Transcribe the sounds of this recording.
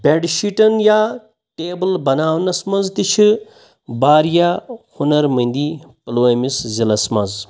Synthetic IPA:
bʲeɖʃiʈɐnjaː | ʈeːbɐlbɐnaːʋnɐsmɐnzt̪it͡ʃʰi | baːɾjahunɐɾmɐ̃nd̪iːpɐloːemiszilɐsmɐz

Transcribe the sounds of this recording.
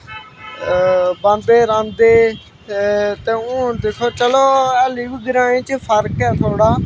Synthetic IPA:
bãnd̪eːɾãːnd̪eː | t̪ẽːũːd̪ekʰoːt͡ʃəloːɛːliɡɡɪɾãːĩːt͡ʃpʰəɾkɛːt̪ʰoːɽaː

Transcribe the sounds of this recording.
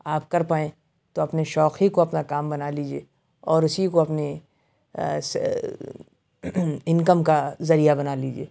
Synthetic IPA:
aːpkɐɾpaːẽː | t̪oɐpneʃɔːxikoɐpnakaːmbɐnaːliːd͡ʒieː | ɔːɾʊsikoɐpne | s | ɪ̃nkəmkazɐɾijabɐnaːliːd͡ʒiḛː

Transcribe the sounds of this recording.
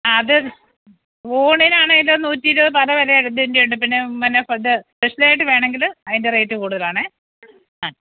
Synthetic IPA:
aɐðɨ | oːɳinaːɳeɡilːonuːtːiːɾoðɨpɐlɐʋɐleɐɽud̪endejuɳɖɨp̬inːe̞mɐnːefɐd̪ɨspeʂilaːjiʈ̬ːɨʋe̞ːɳeŋɡilɐðinderejtːɨkuːɽuðɐlaːɳɨ | aː

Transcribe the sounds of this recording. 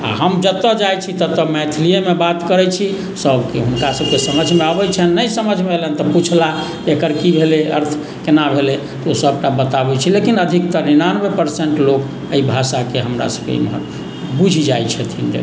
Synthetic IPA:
a̰ɦəmd͡ʒət̪əd͡ʒajt͡ʃʰit̪ət̪əmɛt̪ʰilijemebat̪kəɾɛt͡ʃʰi | səbʱkeɦunkasəb̚ʱkesəməd͡ʒʱmeabɛt͡ʃʰɛnːəjsəməd͡ʒʱmelɛnt̪ɔput͡ʃʰla | ekəɾkibʱeleə̰ɾt̪ʰ | kenabʱele | t̪osəbʈabət̪abɛt͡ʃʰilekinəd̪ʱik̚t̪əɾinanbepəɾseɳʈlok | əibʱasakeɦəmɾa̰səbkḛmɦə̰ | bud͡ʒʱid͡ʒajt͡ʃʰɛt̪ʰind͡ʒə̰

